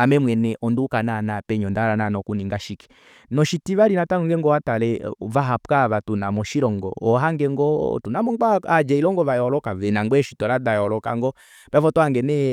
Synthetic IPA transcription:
amɛmwɛnɛʔɔndukananapɛɲɔndaɾananɔkuniŋɡaʃiki̥ | nɔʃitivaɾinataɔŋɡɛŋɡɔatalɛvaɦapkaβatunamɔʃiɾɔŋɡɔ̰ɔɦaŋɡɛŋɡɔ̰tunamɔɡ͡baad͡ʒɛilɔŋɡɔvajɔlɔkavɛnaŋɡ͡bɛʃitɔɾadajɔlɔka̰ŋɡɔ | pɛvɔtɔaŋɡɛnɛ

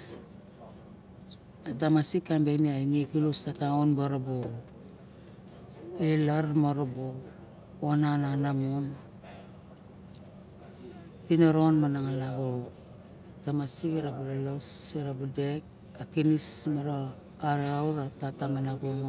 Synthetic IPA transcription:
atamasikːambeniainikilustataonbaɾobo | elaɾmoɾobo | onananamon | tinoɾonmanaŋalaɡoɾo | tamasikiɾabulalosiɾabudek | akinismaɾaː | ɾwɾatatamanaɡomo

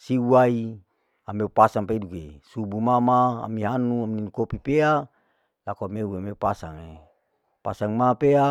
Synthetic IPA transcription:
siuai | ameupasaŋpaidukesubumamaa̰miɦanuamininukopipea | lakoameuameupasa̰ŋe | pasaŋmapea

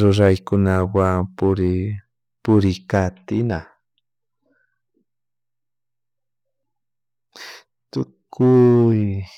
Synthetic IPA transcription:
ɾʊɾajkʊnawaŋpʊɾ | pʊɾɪkat̪ɪna | t̪ʊkʰʊj

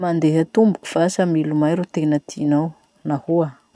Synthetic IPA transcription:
mand̪eɦat̪umbu̥ku̥fasamilumajɾut̪enət̪ʰinaw | nahua

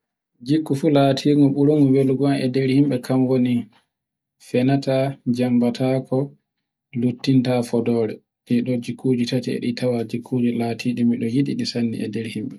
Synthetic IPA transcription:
d͡ʒikːufulaːtʰiŋɡɔɓuɾuŋuweluɡanɛ̰dɛɾhimɓɛkʰamwoni | fɛnatad͡ʒambatʰakɔ | lutːintafɔdɔːɾɛ | tɛɗɔd͡ʒikʰːud͡ʒitatiɛ̰ɗitʰawad͡ʒikʰːud͡ʒilaːtʰiɗimiɗɔjiɗiɗisanːḭʔɛdɛɾhimɓɛ

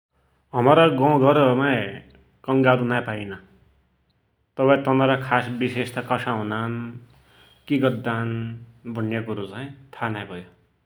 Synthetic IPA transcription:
ʌmʌɾʌɡʌ̃wɡʌɾʌmaj | kʌŋɡaɾunajpainʌ | t̪ʌpãĩt̪ʌnʌɾakʰasbisest̪akʌsaɦũnan | kiɡʌd̪ːanbʱʌnjekuɾot͡saĩt̪ʰanajbʱʌjo

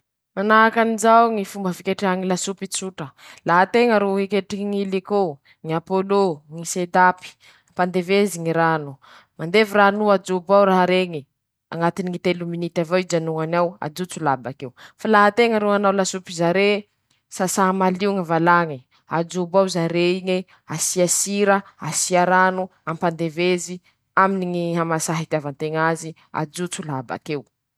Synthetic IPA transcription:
manaakanizawŋifumbəfikeʈ͡ʂaŋilasupit͡suʈ͡ʂəlaɦat̪eŋəɾoɦekeʈ͡ʂiiŋiliko | ŋiapoloŋised̪api̥ | pand̪eveziŋiɾanu | mand̪eviɾanuad͡zubawɾaɦɾeŋi | a̰ŋat̪iniŋit̪eluminit̪avaid͡ʒanuŋanawa̰d͡zut͡sulabakewfalaɦat̪eŋəɾuanawlasupizaɾe | sasaɦamaliŋivalaŋi | ad͡ʒubawzaɾeiŋe | asiasiɾəasiaɾanu | ampand̪evezi | aminiŋiɦamasaɦit̪iavant̪eŋazi | a̰d͡zut͡sulaba̰kew

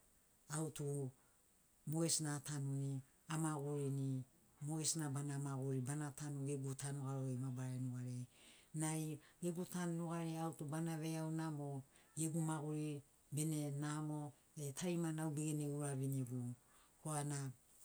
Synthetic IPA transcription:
awtu | moesnatanuni | amaɡuɾini | moesnabanamaɡuɾibanatanuɡeɡutanuɡaɾoemabaɾanuɡaɾenajɡeɡutannuɡaɾeawtubanaβeawnamo | eɡumaɡuɾi | bene̞namo | etʰajmanawbeɡeneuɾaβinieɡu | koana

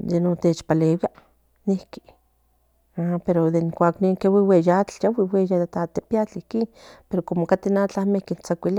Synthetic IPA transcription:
jenot̪et͡ʃpaleːwia | nihki̥ | apeɾod̪eiŋkʷaːkniŋkewiwejat͡ɬjawiwejad̪et̪at̪epiat͡ɬihkinpeɾokomokat̪inat͡ɬamehkint͡sakʷiliaʔ

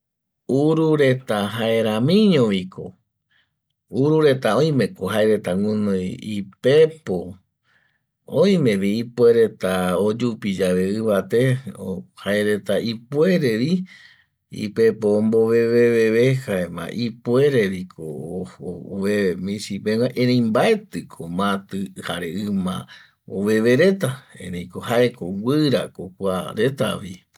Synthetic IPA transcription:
uɾuɾe̞t̪aɦaeɾãmĩɲõʋikʰo̰ | uɾuɾe̞t̪aõj̃mẽ̞koɦaeɾe̞t̪aŋũnojipepo | õj̃mẽ̞ʋiipweɾe̞t̪aod͡ʒupid͡ʒaʋeɨβat̪e̞ohaeɾe̞t̪aipwe̞ɾe̞ʋi | ḭpepoːmboβeβeβeβehaemã̰ʔipweɾeɾikʰo | βemĩsipewaʔẽɾẽjmbae̞t̪ɨkʰomãt̪ɨhaɾeɨmã̰ | o̰βe̞βeɾe̞t̪aḛ̃ɾẽjkohaekowʷɨɾa̰kokʷaɾe̞t̪a̰βi

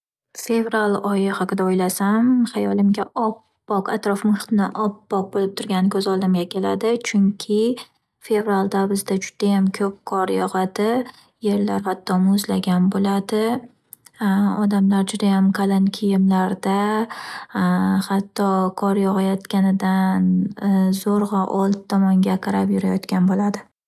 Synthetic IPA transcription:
fe̞vɾalˠɒjɪhaqɨd̪aojlasamχajɒlˠɪmɡʲaʔɒpːɒqat̪ɾɒfmɨχt̪nɪ̰ʔɒpːɒq̚bolɪp̚t̪ʰʊɾɡʲanɪkʰɵzɒlˠd̪amɡʲakʲʰe̞lad̪ɪt͡ʃʰʊŋkʲʰɪ | fe̞vɾalˠd̪abɪzd̪ad͡ʒʊd̪̥ajamkʲʰɵp̚kʰɒɾjɒʁad̪ɪ | je̞ɾlaɾhat̪ʰːɒmozlaɡʲanbolad̪ɪ | ɒd̪amlaɾd͡ʒʊd̪ajamkʰalˠɪnkʲʰɪjɪmlaɾd̪a | hat̪ʰːɒkʰɒɾjɒʁajɒt̪kʲanɪd̪anzoɾʁɑʔɒlˠt̪t̪ʰːɒmɒŋɡʲaqʰɨɾapjʊɾajɒt̪kʲʰanbolad̪ɪ

